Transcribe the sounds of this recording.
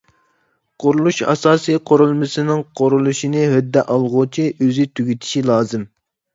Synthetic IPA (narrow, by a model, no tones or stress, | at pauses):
qʰoɾulˠuʃɑ̰sɑːsijqʰoɾulˠmɨsɪnɪŋqʰoɾulˠuʃinɪɦød̪ːɛʔɑlˠʁʊt͡ʃʰiʔøzɪt̪ʰyɡʲyt̪ʰi̥ʃilˠɑːzɨm